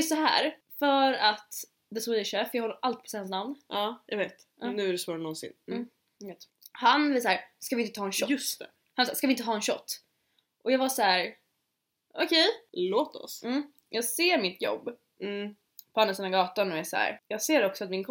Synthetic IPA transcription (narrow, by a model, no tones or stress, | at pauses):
jɵst̪sɔɦæ̰ːɾ | fœɾat̪ | d̪ɛswiʃɛfjɑɡhɔlːəɾʔalt̪̚pʰɔ̥shansnamnʔɑːjɑ̰ɡveːt̪ | ʔɑnʉ̟æɾɛsvɑːɾanɔnsɪ̰nː | eːt̪ | hanvɪsahæːɾskavɪnt̪ət̪ʰɑːɛnʃɔɵst̪ɛ | hansɔ̰skavɪnt̪ət̪ɑːɛnʃɔ̰t̪ː | ʔɔjɑːɡvashæːɾ | ʔɔkʰɛjloːt̪ɔ̰sm̩ː | jʔɑːɡseːɾmɪt̪jɔ̰bː | pʰɔhɛnːəsɛnːaɡɑːt̪anɔɛsæ̰ɾjɑːɡseːɾɛɔksɔat̪mɪnkʰ